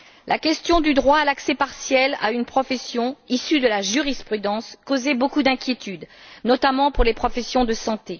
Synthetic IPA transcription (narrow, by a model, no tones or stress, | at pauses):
lʔakʲɛst̪jɔ̃d̪yd̪ʁwaːlaksɛpaʁsjɛla̰ynpχɔfɛsjɔ̃isyd̪əlaʒyʁispχyd̪ɑ̃skozɛbokud̪ɛ̃kʲjet̪yd̪nɔt̪amɑ̃puʁlepχɔfɛsjɔ̃d̪əsɑ̃t̪e